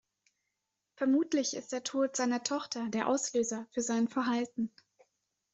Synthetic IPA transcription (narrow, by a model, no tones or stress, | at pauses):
fɛɐmuːtlɪçɪ̰std̥eːɐtʰoːtz̥aɪnɐtʰɔχtʰɐdeːɐʔa̰ʊsløːzɐfyːɐzaɪnfɛɐɦaltn̩